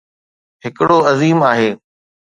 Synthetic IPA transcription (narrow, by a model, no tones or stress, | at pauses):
ɦɪkɪɽoɐziːmaːɦeː